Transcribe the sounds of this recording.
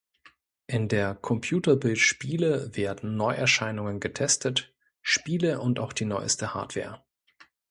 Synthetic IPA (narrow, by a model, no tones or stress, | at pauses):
ʔɪndeːɐkʰɔmpʰjuːtɐbɪltʃpiːləveːɐdn̩nɔʏʔɛɐʃaɪnʊŋənɡətʰɛstʰət | ʃpiːləʔʊntaʊxd̥iːnɔʏəstəha̰ɐtv̥ɛ̰ːɐ